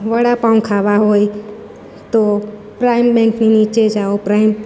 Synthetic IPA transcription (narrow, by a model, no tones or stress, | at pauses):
ʋəɽapãũkʰaʋaɦoi | t̪o | pɾaɪmbɛ̃ŋkninit͡ʃed͡ʒaopɾaːɪm